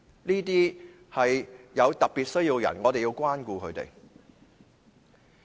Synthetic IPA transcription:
niː˥t̪iː˥ | hɐ˨jjɐ˨˧wt̪ɐ˨k̚piː˨t̚sɵ˥ɥji˧wjɐ̰˨˩nŋɔː˨˧t̪e˨ji˧wkʷaː˥nkuː˧kʰɵ˨˧ɥt̪ḛ˨j

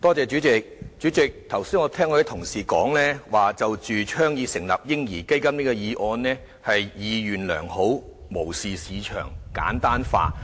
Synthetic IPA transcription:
t̪ɔː˥t͡sɛː˨˧t͡ʃyː˨˥t͡sɪ˨k̚t͡ʃyː˨˥t͡sɪ˨k̚t̪ʰɐ˨˩wsiː˥ŋɔ˨˧t̪ʰɛː˥ŋkɔː˧˥e˨˥t̪ʰʊ˨˩ŋsiː˨˩kɔː˨˥ŋlɛː˥waː˨˩t͡sɐ˨wt͡ʃyː˨t͡ʃʰœː˥ŋjiː˨˧sɪ˨˩ŋlɐ̰˨p̚jɪ˥ŋjiː˨˩ke˥jkɐ˥mniː˥kɔ˧jiː˨˧ʔɔː˧nlɛː˥ | hɐ˨jjiː˨˧jyː˨˩nlœ̰ː˨˩ŋho˨˥wmo˨˩wsiː˨siː˨˧t͡ʃʰœ̰ː˨˩ŋka̰ː˨˥nt̪aː˥nfa̰ː˧

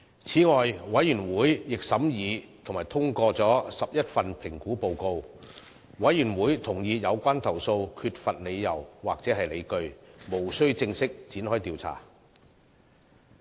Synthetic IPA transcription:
t͡sʰiː˨˥ŋɔː˨jwɐ˨˥jyː˨˩nwuː˨˥jːɪ˨k̚sɐ˨˥mjiː˨˧t̪ʰʊ˨˩ŋmaː˨˩jt̪ʰʊ˥ŋkɔː˧t͡sɔː˨˥sɐ˨p̚jɐ˥t̚fɐ˨npʰɪ˨˩ŋkuː˨˥po˧wko˧w | wɐ˨˥jːyː˨˩nwuː˨˥jt̪ʰʊ˨˩ŋjiː˧jɐ˨˧wkʷaː˥nt̪ʰɐ˨˩wso˧wkʰyː˧t̚fɐ˨t̚le˨˧jːɐ˨˩wwaː˨k̚t͡sɛː˨˥ɦɐ˨jle˨˧jkɵ˧ɥmo˨˩wsɵ˥ɥt͡sɪ˧ŋsɪ˥k̚t͡siː˨˥nhɔː˥jt̪iː˨˧wt͡sʰa̰ː˨˩

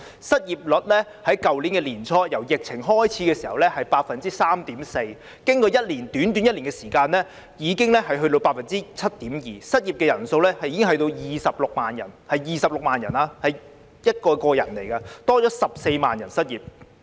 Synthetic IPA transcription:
sɐ˥t̚jiː˨p̚lɵ˨t̚lɛː˥ | hɐ˨˥jkɐ˨wliː˨˥nkɛː˧liː˨˩nt͡sʰɔː˧˥jɐ˨˩wjɪ˨k̚t͡sʰɪ˨˩ŋɦɔː˥jt͡sʰiː˨˥kɛː˧siː˨˩hɐ˨wlɛː˥hɐ˨jpaː˧t̚fɐ˨nt͡siː˦˥saː˥mt̪iː˨˥mse˧j | kɪ˥ŋkɔː˧jɐ˥t̚liː˨˩nt̪yː˨˥nt̪̬yː˨˥njɐ˥i˨˩ŋkɛː˧siː˨˩kaː˧nɛː˥ | jiː˨˧kɪ˥ŋlɛ˥ɦɐ˨jɦɵ˧t̪o˧wpaː˧t̚fɐ˨nt͡siː˥t͡sʰɐ˥t̚t̪iː˨˥mjiː˨˩sɐ˥t̚jiː˨p̚kɛː˧jɐ˨˩nso˧wlɛː˥hɐ˨jiː˧kɪ˥ŋɦɐ˧jt̪o˧wjiː˨sɐ˨p̚lʊ˨k̚maː˨njɐ̰˨˩nhɐ˨jːiː˨˧sɐ˨p̚lʊ˨k̚maː˨njɐ˨˩naː˧hɐ˨j | jɐ˥t̚kɔː˧kɔː˧jɐ˨˩nle˨˩jkɐː˧t̪ɔː˥t͡ʃɔː˨˥sɐ˨p̚se˧jmaː˨njɐ˨˩nsɐ˥t̚jiː˨p̚

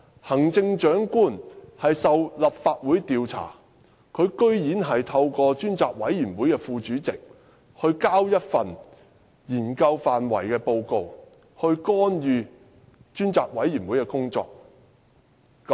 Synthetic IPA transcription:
hɐ˨˩ŋt͡sɪ˧ŋt͡ʃœː˨˥ŋkuː˥nhɐ˨jsɐ˨wlɐ˨p̚faː˧t̚wuː˨˥jt̪iː˨˧wt͡sʰa̰ː˨˩ | kʰɵ˨˧ɥkɵ˥ɥjiː˨˥nɦɐ˨jt̪ʰɐ˧wkɔː˧t͡ʃyː˥nt͡saː˨k̚wɐ˨˥jjyː˨˩nwuː˨˥jkɛː˧fuː˨˧t͡ʃyː˨˥t͡sɪ˨k̚ | hɵ˧ɥkaː˥wjɐ˥t̚fɐ˨n | jiː˨˩nkɐ˧wfaː˨nwɐ̰˨˩jkɛː˧po˧wko˧w | hɵ˧ɥkɔː˥njyː˧ | t͡ʃyː˥nt͡saː˨k̚wɐ˨˥jːyː˨˩nwuː˨˥jkɛː˧kʊ˥ŋt͡sɔ̰ː˧k̚

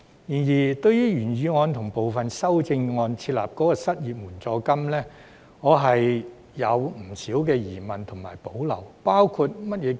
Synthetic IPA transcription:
jiː˨˩njiː˨˩t̪ɵ˧ɥjyː˥ɥyː˨˩nɥyː˨˧ŋɔː˨˧nt̪ʰʊ˨˩ŋpo˨wfɐ˨nsɐ˥wt͡sɪ˧ŋŋɔː˧nt͡sʰiː˧t̚la̰ː˨p̚kɔː˨˥kɔː˧sɐ˥t̚jiː˨t̚muː˨˩nt͡sɔː˧kɐ˥mlɛː˥ | ŋɔː˨˧ɦɐ˨jː | ɐ˨˧wm̩˨˩siː˨˥wkɛː˧jiː˨˩mɐ˨nt̪ʰʊ˨˩ŋmaː˨˩jpo˨˥wlɐ̰˨˩wpaː˥wkʰu˧t̚mɐ˥t̚jɛː˨˧

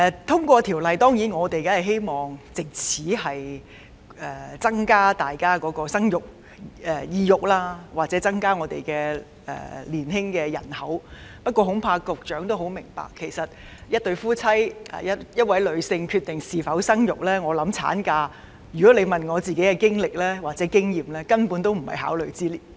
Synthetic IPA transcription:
ɛ˨˧t̪ʰʊ˥ŋkʷɔː˧t̪ʰi˨˩wlɐ˨jt̪ɔː˥ŋjiː˨˥nŋɔː˨˧t̪e˨jkaː˦˥ɐ˨˩ɦe˥jmɔː˨˩ŋt͡sɪ˨k̚t͡sʰiː˨˥ɦɐ˨j | ʔɛː˨t͡sɐ˥ŋkaː˥t̪aː˨jkaː˥kɔː˨˥kɔː˧sɐ˥ŋjʊ˨k̚ | ɛ˨jiː˧jʊ˨k̚laː˥waː˨t̚t͡sɛː˨˦˥t͡sɐ˥ŋkaː˥ŋɔː˨˧t̪ḛ˨jkɛː˧ | ɛ̰ː˨˩liː˨˩nɦɪ˥ŋkɛː˧jɐ̰˨˩nhɐ̰˨˥wpɐ˥t̚kʷɔː˧ɦʊ˨˥ŋpʰaː˧kʊ˨k̚t͡ʃœː˨˥ŋt̪o˥whɦo˨˥wmɪ˨˩ŋpa̰ː˨kʰːe˨˩jsɐ˨t̚ | jɐ˥t̚t̪ɵ˧ɥfuː˥t͡sʰɐ˥jʔa̰ː˨jɐ˥tjɐ˥t̚wɐ˨˥jlɵ˨˧ɥsɪ˧ŋkʰyː˧t̚t̪ɪ˨ŋsiː˨˩fɐ˨˥wsɐ˥ŋjʊ˨k̚lɛː˥ŋɔː˨˧lɐ˨˥mt͡sʰa̰ː˨˥nkaː˧ | jy˨kɔː˨˥le˨˧jmɐ˨nŋɔː˨˧t͡siː˨ke˨˥jkɛ˧kɪ˥ŋlɪ˨k̚lɛː˥waː˨k̚t͡sɛː˨˦˥kɪ˥ŋjiː˨mlɛː˥kɐ˥npuː˨˥nt̪o˥wm̩˨˩hɐ̰˨jɦa̰ː˨˥wlɵ˨ɥt͡siː˥liː˨˩

